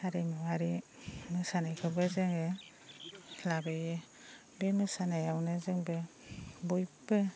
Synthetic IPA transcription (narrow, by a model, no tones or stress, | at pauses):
aɾinɔaɾimɯsanajkʰɯbɯzɯŋe | labejɯ | bemɯsanajawnɯzɯŋbɯ | bujbɯ